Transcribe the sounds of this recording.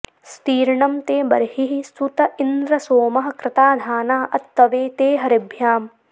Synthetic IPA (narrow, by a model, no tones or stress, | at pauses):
st̪iːɾɳɐmt̪eːbɐ̰ɾhiɦist̪ut̪ɐʔind̪ɾɐsoːmɐɦɐ̆kɾɪt̪aːd̪ʱaːnaːʔɐt̪ːɐʋeːt̪eːɦɐɾibʱjaːm